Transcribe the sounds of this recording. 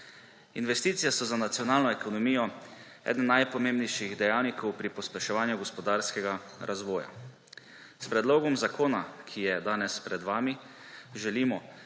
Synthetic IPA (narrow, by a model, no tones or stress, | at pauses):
inʋɛst̪iːt̪sijɛsɔzanat̪sjɔnaːlnɔekʰɔnɔmiːjɔ | ɛ̰ːd̪n̩ːajpɔmeːmbnɛjʃiɣd̪ɛjaːwnikɔwpɾipɔspɛʃɛʋaːnjuɡɔspɔd̪aːɾskɛɡaɾʔazʋɔːja̰ | spɾɛd̪loːɡɔmzakʰoːnakʰijɛd̪aːnɛspɾɛd̪ʋaːmi | ʒɛliːmɔ